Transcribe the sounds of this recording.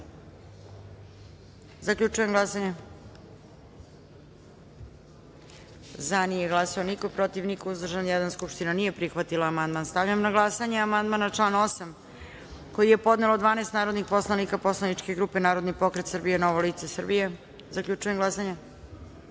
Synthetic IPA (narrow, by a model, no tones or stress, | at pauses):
zakʎʲut͡ʂuje̞mɡlˠasaɲe | zanijeɡlˠasao̞niko̞pɾo̞t̪iʋnikouzd̪r̩ʒanjɛd̪anskupʃt̪inanije̞pɾixʋat̪ilaːmand̪manst̪aʋʎamnaɡlˠasaɲeamand̪manat͡ʂlˠaːno̞sam | ko̞jijepo̞d̪ne̞lod̪ʋaːneːst̪naːɾod̪nixpo̞slˠanikaposlˠanit͡ʂke̞ɡɾuːpe̞naːɾod̪nipo̞kɾet̪sr̩bijeno̞ʋoliːt̪sesr̩bije | zakʎʲut͡ʃuje̞mɡlasaɲe